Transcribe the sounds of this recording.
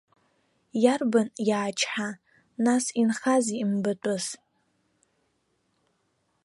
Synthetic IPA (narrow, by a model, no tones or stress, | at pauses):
jarbanjaːt͡ʃʰħa | nasinχazimbɨtʷʼʊz